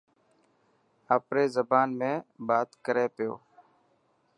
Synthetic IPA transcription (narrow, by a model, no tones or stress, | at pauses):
əːpɾeːzəbaːnmẽːbaːt̪kəɾeːpɪjo̰ː